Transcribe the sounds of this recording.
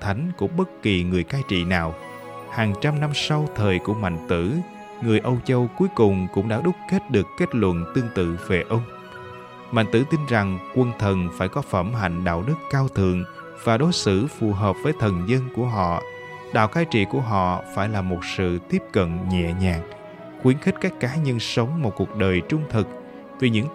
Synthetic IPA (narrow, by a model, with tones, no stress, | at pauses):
t̪ʰa˨˦jŋ̟kṵ˧˩˥ŋ͡mɓə˦˥t̚ki˨˩ŋɨ˨˩əjkaː˧jt͡ɕḭ˧˨naː˨˩w | haː˨˩ŋt͡ɕa˧mna˧msa˧wt̪ʰəː˨˩jku˧˩əma̰˧˨jŋ̟t̪ɨ̰˧˥ | ŋɨ˨˩əjʔə˧wt͡ɕə˧wku˨˦jkʊ˨˩ŋ͡mkʊ̰˧˥ŋ͡mɗaː˧˥ɗʊ˦˥k͡p̚ke˦˥t̚ɗɨ˨˩əkkːe˦˥t̚lwə̰˧˨nt̪ɨ˧əŋt̪ɨ̰˧˨ve˨˩ʔə˧wŋ͡m | ma̰˧˨ŋ̟t̪ɨ̰˧˥t̪i˧nza˨˩ŋkwə˧˩nt̪ʰə˨˩nfaː˧˩jkɔ˨˦fə˧˩mɦa̰˧˨jŋ̟ɗa̰ː˧˨wɗɨ˦˥kːaː˧wt̪ʰɨ̰˧˨əŋ | vaː˨˩ɗo˨˦jsɨ̰˧˥fu˨˩ɦəː˨˩p̚vəː˨˦jt̪ʰə˨˩nzə˧nku˧˩əɦɔ̰˧˨ | ɗa̰ː˧˨wxaː˨˦jt͡ɕḭ˧˨ku˧˩əɦɔ̰˧˨faː˧˩jlaː˨˩mo˨˩t̚sɨ̰˧˨t̪i˦˥əp̚kə̰˧˨nɲɛ̰˧˨ɲaː˨˩ŋ̚ | xwi˨˦ənxi˦˥t̟̚ka˦˥jk̟̚kaː˨˦ɲə˧nsə˨˦wŋ͡mmo˨˩t̚ku˨˩ək̚ɗəː˨˩jt͡ɕʊ˧ŋ͡mt̪ʰɨ˨˩k̚ | vi˨˩ɲɨ̰˧˥ŋ